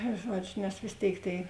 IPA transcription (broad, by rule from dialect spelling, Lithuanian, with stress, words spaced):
ˈʒuɔd͡ʒʲʊ nʲɛs ʋʲeːs ˈtʲeːɪk tʲeːɪ